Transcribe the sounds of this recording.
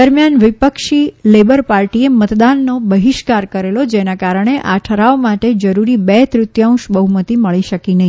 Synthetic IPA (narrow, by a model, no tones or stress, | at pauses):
əɾmjanʋɪpəkʃilebəɾpaɾʈiemət̪d̪anːobəɦiʃkaɾkəɾelod͡ʒenakaɾəɳ̃eʔaʈʰəɾaomaʈed͡ʒəɾuɾibɛt̪ɾʊt̪jãʊ̃ʃbəɦumət̪iməɭiʃəkinəɦi